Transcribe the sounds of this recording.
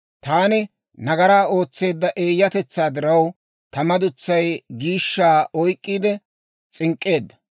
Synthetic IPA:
t̪aːnɪ | nɐɡɐɾaːo̞ːt͡sːe̞ːd̪ːɐʔe̞ːjːɐt̪ɛt͡sːaːd̪ɪɾɐw | t̪ɐmɐd̪ʊt͡sːɐjɡiːʃːaːɔjkʼːiːd̪ɛ | t͡sʼɪŋkʼːe̞ːd̪ːɐ̥

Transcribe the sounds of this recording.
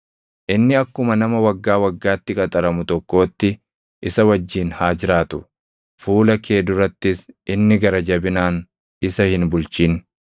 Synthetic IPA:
ʔɪnːɪɐkːʊmɐnɐmɐwɐɡːaːwɐɡːaːt̪ːɪkʼɐt̪ʼɐɾɐmʊt̪ɔkːo̞ːt̪ːɪ | ʔɪsɐwɐd͡ʒːiːnhaːd͡ʒɪɾaːt̪ʊ̥ | fuːlɐkʰe̞ːd̪ʊrɐt̪ːɪsʔɪnːɪɡɐɾɐd͡ʒɐbɪnaːn | ɪsɐhɪnbʊlt͡ʃiːn

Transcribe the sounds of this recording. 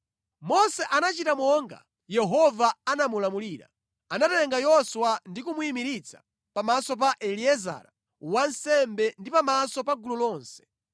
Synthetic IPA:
mɔsɛʔanat͡ʃitamɔŋɡa̰ | jɛɦɔvaanamulamuliːɾa̰ | anatɛɛŋɡajɔswandikumuimiɾit͡sʰḁ | pamasɔp̬aʔɛliɛza̰ɾa | wansɛmbɛndipamasɔpaɡululɔːnsɛ̥

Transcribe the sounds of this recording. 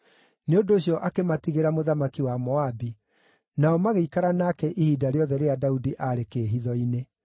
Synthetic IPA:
neodoːɕiɔʔakematiɣeɾamoðamakiwamɔabi | naɔmaɣeikaɾanakɛʔihiːdaɾeɔðɛɾeadaudiʔaɾekeːɦiðɔine

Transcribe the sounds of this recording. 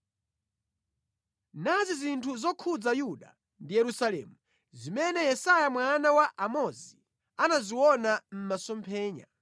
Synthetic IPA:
nazizintʰuzɔkʰud͡zajuɗa | ndijɛɾusalɛ̰ːmu | zimɛnɛjɛsajamwanawaʔamɔzi | anaziwɔnam̩masɔmpʰɛːɲa̰

